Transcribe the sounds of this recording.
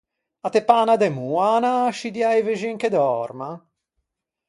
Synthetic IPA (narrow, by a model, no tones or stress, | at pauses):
at̪epaːnad̪emuanaʃid̪jajveʒiŋked̪ɔɾma